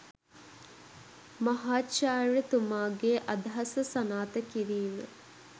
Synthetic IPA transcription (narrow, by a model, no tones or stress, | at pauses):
mɐɦaːtʃaːɻət̪umaːɡeːʔɐd̪aɦɐsəsɐnaːt̪əkiɾiːmə̰